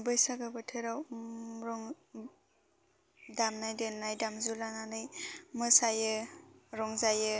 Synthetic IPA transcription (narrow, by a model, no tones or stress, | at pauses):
bɯjsaɡɯbɯtʰeɾawɾɔŋ | damnajdenːajdamzulananɯjmɯsajɯɾɔŋzajɯ